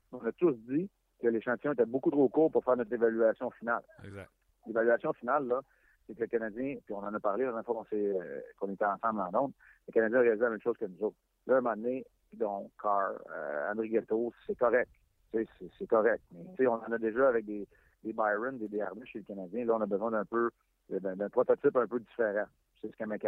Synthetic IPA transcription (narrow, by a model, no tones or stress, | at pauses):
ɔ̃nat̪ʊsd͡z̪i | kəleʃɑ̃t̪ijɔ̃et̪ɛbokut̪χokuːʁpuʁfɛːʁnɔt̪χevalyasjɔ̃final̰ | levalyasjɔ̃finalːʌ | sekələkanad͡zjɛ̃piɔ̃nɑ̃ːnʌpaʁleãɛ̃nfwakɔ̃sɛø̰kɔ̃net̪ɛɑ̃sɑ̃blɑ̃nɔ̃d̪ | ləkanad͡zjɛ̃ʁealizelamɛ̃mʃoz̥kənuzɔʊt̪χ | lɔmɑ̃d̪ne | d̪ɔ̃kʰɑɹø̰ɑ̰̃d̪ʁiɡat̪osɛkɔʁɛk̚t̪ | sesɛsɛkɔʁɛk̚t̪mɛt͡seɔ̃nɑ̃ːnʌd̪eʒʌavɛk̚d̪e | d̪ebajʁənd̪ed̪ea̰ʁmeʃeləkanad͡zjɛ̃lʌɔ̃nabəzwɛ̃d̪ɛ̃pø | d̪əd̪ɛ̃d̪ɛ̃pχɔt̪ɔtt͡sɪpœ̃pødd͡zifeʁã | seskamɛka